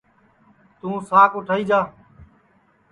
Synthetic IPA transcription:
t̪ũːsaːkʊʈʰaːiːd͡ʒaː

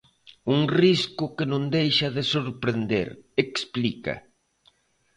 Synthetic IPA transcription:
uŋriskʊkenõnd̪ejʃɐðesoɾpɾend̪ḛɾeksplika̰

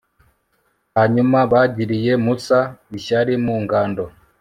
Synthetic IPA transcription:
haɲumaβaɟiɾijemusaiʃaɾimuŋɡaːndo

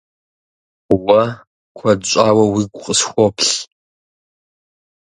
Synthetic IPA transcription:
wɐ | kʷʰɐdɕʷʼaːwɐwiɡʷʼqʼəsxʷɔpʰɬ

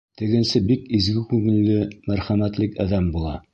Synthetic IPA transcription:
t̪ɘ̆ɡɘ̆nsɘbikizɡɘkʉŋɘ̆lːɘmæɾχæmæt̪lɘkæðæmbulˠɑ̰

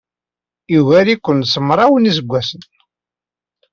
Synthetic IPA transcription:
ivæɾikʷːənsəmːɾˤɑwəniz̬əɡʷːæsən

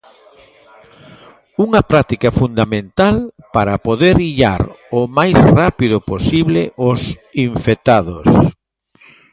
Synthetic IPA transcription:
uŋɐpɾat̪ikɐfund̪amẽnt̪alpaɾɐpoðeɾiʎa̰ɾomajsrapiðʊposiβlɪʔʊsiɱfet̪aðos

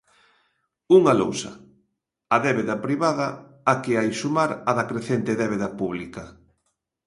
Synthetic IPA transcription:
uŋɐlo̰wsɐ̰ | ɐðɛβeðɐpɾiβaðɐ | akɪajsumaɾɐðɐkɾeθent̪eðɛβ̞eðɐpuβlikɐ

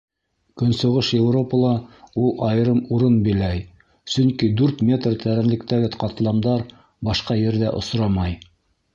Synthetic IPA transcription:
kɵ̆nsŏʁɤʃjevro̞pəlˠɑulˠɑjɾɤmuɾɤnbilæj | sɵŋkid̪ʉɾt̪mʲe̞t̪rt̪ʰæɾænlɘ̆kt̪æɡɘqɑt̪lˠɑmd̪ɑɾ | bɑʃqɑjɘ̆ɾðæʔŏ̰sɾɑmɑj

